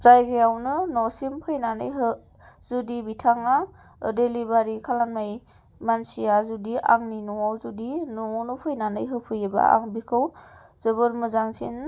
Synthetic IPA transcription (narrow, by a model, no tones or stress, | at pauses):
zajɡejawnɯnɔsimpʰɯjnanɯjɦɯ | zudibitʰaŋa̰ | delibaɾikʰalanmaj | mansijazudiʔa̰ŋninuwawzudinuŋɔnupʰɯjnanɯjɦɯpʰɯjeba̰a̰ŋbikʰɯw | zɯbɯɾmɯzaŋsḭn